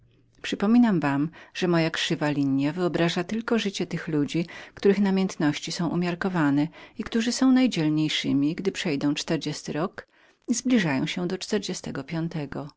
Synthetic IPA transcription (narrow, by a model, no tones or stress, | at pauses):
pʂɘpɔmʲinamvamʐ̥ɛmɔjakʂɘvalʲiɲjavɘɔbɾaʐat̪ɘlkɔʐɘt͡ɕɛt̪ɘxlud͡ʑikt̪uɾɘxnamʲjɛnt̪nɔɕt͡ɕisɔ̃w̃ʔṵmʲjaɾkɔvanɛikt̪uʐɘsɔ̃w̃najd͡ʑɛlɲejʂɘmʲiɡd̪ɘpʂɛjd̪ɔ̃w̃t͡ʂt̪ɛɾd͡ʑest̪ɘɾɔk | izblʲiʐajɔ̰̃w̃ɕɛd̪ɔt͡ʂt̪ɛɾd͡ʑɛst̪ɛɡɔpʲjɔnt̪ɛɡɔ